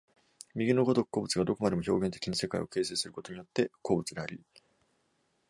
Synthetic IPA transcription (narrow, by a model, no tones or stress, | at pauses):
mʲiɡʲino̞ɡo̞d̪okkːo̞ːbɯ̟t͡sɨɡad̪o̞ko̞mad̪e̞mo̞çʲo̞ːɡẽ̞nt̪e̞kʲiɲise̞kaḭo̞ke̞ːse̞ːsɨɾɯ̟ko̞t̪o̞ɲ̟ijot̪ːe̞koːbɯ̟t͡sɨd̪e̞aɾʲi